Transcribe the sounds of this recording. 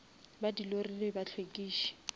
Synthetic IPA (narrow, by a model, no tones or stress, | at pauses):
badilorilɪbat͡ɬʰwekʼiːʃi̥